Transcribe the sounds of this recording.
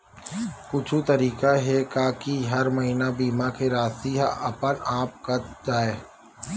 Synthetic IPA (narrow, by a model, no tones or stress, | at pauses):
kʊt͡ʃʰut̪ɐɾiːkaɦɛkaːkiɦɐɾmɐɦiːnabiːmakeɾaːst̪iɦaɐpənaːp̚kɐd͡ʒaːeː